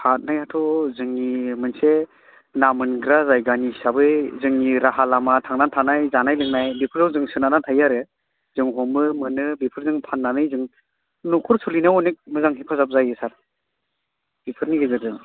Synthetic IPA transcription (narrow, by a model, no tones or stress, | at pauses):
hat̚najatʰɔzɯŋimɯnse | namɯnɡɾazajɡanisabɯjzɯŋiɾaɦalamatʰaŋnantʰanajzanajlɯŋnajbipʰɯɾawzɯŋsɯnanatʰajaɾɯ | zɯŋɦɔmɯmɯnɯbipʰɯɾzɯŋpʰanːanɯjzɯŋ | nukʰɔɾsʰulinaɔnik̚mɯzaŋɦipʰazap̚zajɯsaɾ | bipʰɯɾniɡɯzɯdɯ